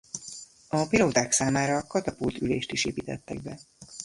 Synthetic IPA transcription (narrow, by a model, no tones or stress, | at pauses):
ɒpiloːd̪aːksaːmaːɾɒkɒt̪ɒpult̪ylḛːʃt̪iʃeːpiːt̪ɛt̪ːɛ̰ɡ̚bɛ